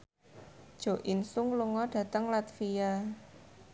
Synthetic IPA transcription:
d̥ʒ̥o̤ʔɪnsʊŋluŋɔɖ̥ä̤t̪əŋlat̪fija

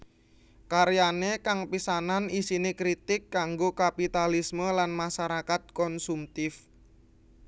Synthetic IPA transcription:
kaɾjanekaŋpisananisinekɾit̪ɪkːaŋɡokapit̪alisməlanmaʃaɾakat̪̚kɔnsumt̪ɪf

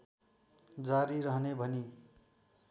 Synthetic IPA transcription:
d͡zaɾiɾʌɦnebʱʌni

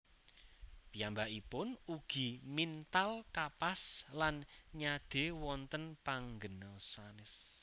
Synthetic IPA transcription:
pijambaʔipʊnuɡ̥i̤mint̪alkapaslanɲad̪̥e̤wɔnt̪ənpaŋɡənɔsanɪs

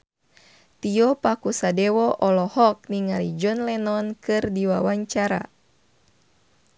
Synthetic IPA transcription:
t̪iɔpakusadɛwɔʔɔlɔhɔk̚niŋaɾid͡ʒɔnlɛnɔnkɨrdiwawaɲt͡ʃaɾa̰

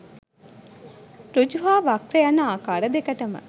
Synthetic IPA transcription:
ɾod͡ʒuɦaːʋakrejanːɐaːkaːɾəd̪ekɐʈɐmə̰

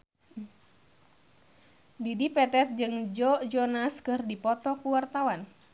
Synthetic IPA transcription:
didipɛt̪ɛt̪̚d͡ʒɨŋd͡ʒɔd͡ʒɔnaskɨrdipɔt̪ɔkuwart̪awan

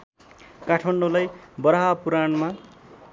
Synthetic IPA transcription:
kaʈʰmaɳɖolajbʌɾaɦapuɾanma

